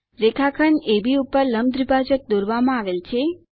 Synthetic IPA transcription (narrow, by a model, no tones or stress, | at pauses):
ɾekʰakʰəɳebiupəɾləmd̪ɾibʱad͡ʒək̚d̪oɾʋamãaʋelt͡ʃʰe